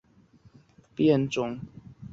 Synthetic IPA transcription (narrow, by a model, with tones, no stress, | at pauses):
pjɛ˥˨nʈ͡ʂʊ˨˦ŋ